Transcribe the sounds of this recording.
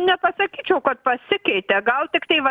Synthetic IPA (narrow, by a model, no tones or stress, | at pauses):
nʲɛpɐsɐkʲiːt͡ʃʲɛʊkɐt̪̚pɐsʲɪkɛɪt̪ʲɛɡɐlˠt̪ʲɪkt̪ɐɪʋɐ